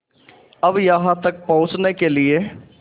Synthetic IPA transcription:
ɐbjɐɦãt̪ɐk̚pɐ̃ɦʊ̃t͡ʃnekelie

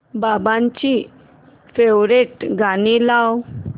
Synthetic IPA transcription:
babãɲt͡ɕi | fewɾeʈɡʱanilaw

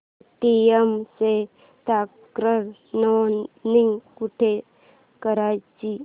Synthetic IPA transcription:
ʈiemse | t̪akɾəɾnɔniŋɡkuʈʰe | kəɾajt͡ɕi

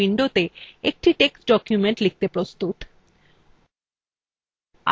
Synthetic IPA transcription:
iɳɖot̪eek̚ʈiʈeksɖɔkjumeɳʈlik̚t̪epɾost̪ut̪ | a̰

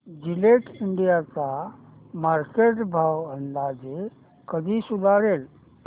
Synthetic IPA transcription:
d͡ʑileʈiɳɖijat͡sa | maɾkeʈbʱawənd̪ad͡ʑe | kəd̪ʱiːsud̪ʱaɽel

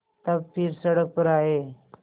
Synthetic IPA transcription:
t̪əbfiːɾsəɽək̚pəɾaɦe

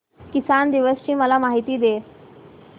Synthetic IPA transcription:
kisand̪iʋəst͡ɕiːməlamaɦit̪iːd̪e

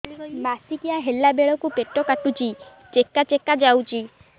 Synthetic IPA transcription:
masikiaɦelabeɭɔkupeʈɔkaʈut͡ʃʰi | t͡ʃekːat͡ʃekːad͡ʒawt͡ʃʰi

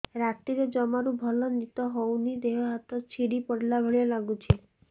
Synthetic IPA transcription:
ɾat̪iɾed͡ʒɔmaɾubʱɔlɔnit̪ɔɦownid̪eɦɔɦat̪ɔt͡ʃʰiɽipɔɽlabʱɔɭijɔlaɡut͡ʃʰe

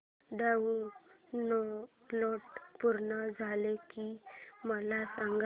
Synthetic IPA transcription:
ɖaunɔ | lɔʈpuɾɳəd͡zʱalekiməlasãŋɡ

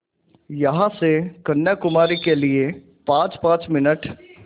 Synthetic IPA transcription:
jɐɦãsekɐnjakʊmaːɾikelie | pãːt͡ʃpãːt͡ʃmɪnəʈ

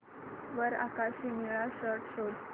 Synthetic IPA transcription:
ʋəɾa̰kaɕimiɭaɕəɾʈʰɕod͡z

